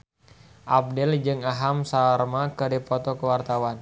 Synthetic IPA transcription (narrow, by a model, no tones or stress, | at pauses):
ʔap̚dɛld͡ʒɨŋaɦamsarmakədipɔt̪ɔkəwart̪awan